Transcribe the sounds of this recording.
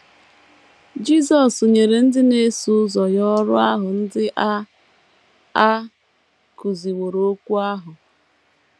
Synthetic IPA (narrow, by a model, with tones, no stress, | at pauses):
d͡ʒi˦sɔ˨so˨ɲe˨ɾe˨n̩˦dɪ˦ne˦su˦zɔ˨jɔ˦ɾʊ˦a˦ɦʊ˨n̩˦dɪ˦ʔa˦ | a˦ | ku˨zi˨wo˨ɾo˦kʷu˦a˦ɦʊ˨